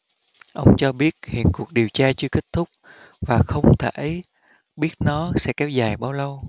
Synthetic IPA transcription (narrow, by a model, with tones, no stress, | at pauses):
ʔə˧wŋ͡mt͡ɕɔ˧ɓi˦˥ət̚hḭ˧˨ənku˨˩ək̚ɗi˨˩əwt͡ɕaː˧t͡ɕɨ˧əki˦˥k̚t̪ʰʊ˦˥k͡p̚ | vaː˨˩xə˧wŋ͡mt̪ʰḛ˧˩˨j | ɓi˦˥ət̚nɔ˨˦sɛ̰˧˥kɛ˨˦wzaː˨˩jɓaː˧wlə˧w